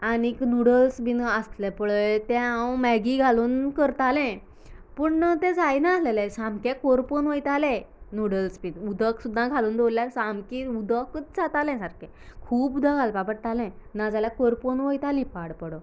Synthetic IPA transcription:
aniknuɽəlsbiːnəst̪lɛpəɭət̪ɛ̃ãwmɛɡiɡʱaluːnkəɾt̪alɛ̃ | pəɳnət̪ɛ̃d͡zajnalelɛ̃samkɛkoɾponʋəjt̪alɛ̃nuɽəlsbinud̪ʱəksud̪ʱːãɡʱaluːnd̪ʱoljasamkĩud̪ʱəkət͡s̚d͡zat̪alɛ̃saɾkɛ̃ | kʰuːpud̪ʱaɡalpapəɾt̪alɛ̃nad͡zaljakoɾponʋəjt̪alĩpaɽpəɽə

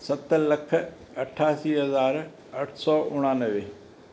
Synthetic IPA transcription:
sɐt̪lɐkʰ | ɐʈʰaːsiːɦɐzaːɾ | ɐʈʰsɔːʔʊɽ̃ãːnəʋeː

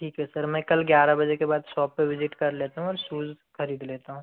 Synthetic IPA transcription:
ʈʰiːkɦɛsɐɾmɛ̃ːkɐlɡjaːɾabɐd͡ʒekebaːd̪sɔːpːeʋɪd͡ʒɪʈkɐɾleːt̪aɦũɔːɾsuːz | xɐɾiːd̪leːt̪aɦũ

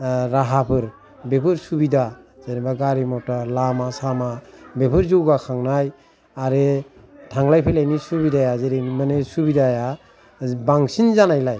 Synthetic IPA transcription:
ɾaɦapʰɯɾ | bepʰɯɾsubidazeɾibaɡaɾimɔtalamasamabepʰɯɾzuɡakʰaŋnaj | aɾe | tʰaŋlajpʰelajnisubidajazeɾenimanesubidaja | baŋsinzanajlaj

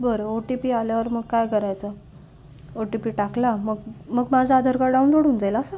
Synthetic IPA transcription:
bəɾəoʈipiːaljaʋəɾməɡkajkəɾajt͡sa | oʈipiːʈaklaməɡməɡmad͡zʱaːd̪ʱəɾkaɖawnloɽuːnd͡zajlaːsa

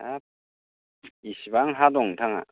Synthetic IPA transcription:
ap̚ | isibaŋɦadɔŋtʰaŋa̰

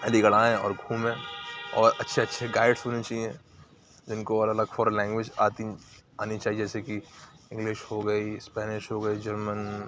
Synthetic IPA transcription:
ɐliɡɐɽãːɦɛ̃ɔ̰ːɾɡʱũːmɦɛ̃ɔːɾɐtːʃʰeɐtːʃʰeɡaːɪɖsɦoːnit͡ʃaːiɛ̃ | d͡ʒɪnkoɐlɐlɐɡfɔːɾlɛ̃ːŋɡʋed͡ʒaːt̪i | aːnit͡ʃaːɦied͡ʒɛːseki | ɪ̃ŋɡlɪʃhoɡɐispɛːnɪʃɦoɡɐid͡ʒɐɾmən

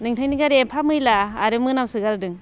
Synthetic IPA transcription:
nɯŋtʰajniŋɡaɾiempʰamɯjlaːɾɯmɯnamsɯɡaldɯŋ

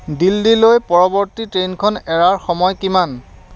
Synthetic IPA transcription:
dildilojpɔɹɔbɔɹtitɹejnkʰɔnɛɹaɹxɔmɔjkiman

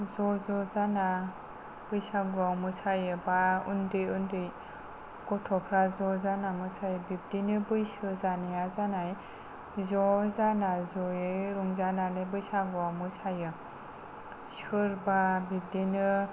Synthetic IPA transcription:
zɔzɔzana | b̥ɯjsaɡuawmɯsʰajɯbaṵndɯjundɯj | kɔtʰɔpʰɾazɔzanamɯsʰajɯbip̚dinɯbɯjsɯzanijazanaj | zɔzanazɔjɯɾuŋzananɯbɯjsaɡuawmɯsʰajɯ | sɯɾbabip̚dinɯ

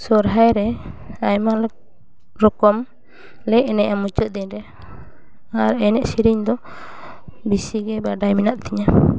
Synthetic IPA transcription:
sɔɾɦajɾɛajmal | ɾɔkɔm | lɛɛnɛʔamut͡ʃɔd̪ɛɲɾɛ | aɾɛnɛʔsiɾiɲd̪ɔ | bisiɡɛbaɖajmɛnaʔ̪̚t̪iɲa

